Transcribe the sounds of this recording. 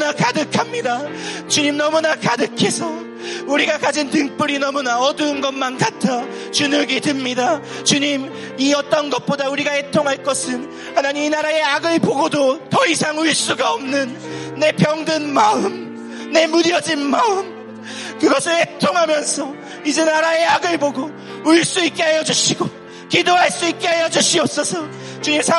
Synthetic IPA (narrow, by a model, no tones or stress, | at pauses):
nakadɯkʰamɲidat͡ɕuɲimnʌmunakadɯkʰe̞sʰʌ | uɾiɡakad͡ʑintɯŋp͈uɾinʌmunaʌdɯnɡʌmankatʰa | t͡ɕunɯɡitɯmɲida | t͡ɕuɲim | iʌt͈ʌnɡʌt̚p͈odauɾiɡahe̞tʰoŋɦaɭk͈ʌsʰɯn | hanaɲiminaɾae̞aɡɯɭpoɡodotʌisʰaŋuɭs͈uɡaʌmnɯnː | e̞pjʌŋdɯnmaɯm | ne̞muɾiʌd͡ʑinmaɯm | kɯɡʌsʰɯɭhetʰoŋɦamjʌnsʰʌ | id͡ʑenaɾae̞aɡɯɭboɡo | uɭs͈uik̚k͈eɦajʌd͡ʑuɕʰiɡo | kidoɦaɭs͈uik̚k͈eɦajʌd͡ʑuɕʰiʌp̚s͈ʌsʰʌ | t͡ɕuɲimsʰa